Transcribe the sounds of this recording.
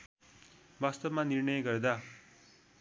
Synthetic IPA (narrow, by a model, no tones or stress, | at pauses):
bast̪ʌbmanirnʌjʌɡʌɾd̪a